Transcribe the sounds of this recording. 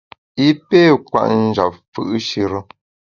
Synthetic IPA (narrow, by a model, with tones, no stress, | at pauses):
i˦pe˦˨kwa̰˦˨ʔn̩˦d͡ʒa̰˨p̚fɯ̰˨ʔʃi˦ɾə˦